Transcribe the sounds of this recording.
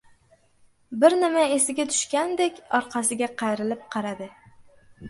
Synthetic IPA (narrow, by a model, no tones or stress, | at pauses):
bɪɾnɪmaesɪɡʲat̪ʰʊ̥ʃkʲand̪ekʲɒɾqʰɑsɪɡʲaqʰɑjɾɪlɪp̚qʰɑɾad̪ɪ